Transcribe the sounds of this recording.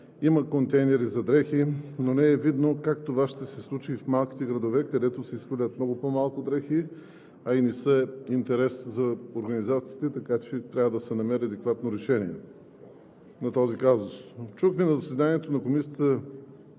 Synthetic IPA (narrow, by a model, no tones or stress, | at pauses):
iməkont̪ɛjnɛɾizɐd̪ɾɛxinonɛɛvid̪nokakt̪ovaʃt̪ɛsɛslˠut͡ʃifmalˠki̥t̪ɛɡɾɐd̪ovɛkɐd̪ɛt̪osɛiskolʲət̪̚mnɔɡʊpomalˠkʊd̪ɾɛxi | ɐinɛsəint̪ɛɾɛszɐoɾɡɐnizat̪si̥ːt̪ɛt̪ɐkat͡ʃɛt̪ɾʲavəd̪ɐsɛnɐmɛɾɐd̪ɛkvat̪noɾɛʃɛniɛ | nɐt̪ɔzikazʊst͡ʃuxminɐzɐsɛd̪aniɛt̪onɐkomisʲjət̪ə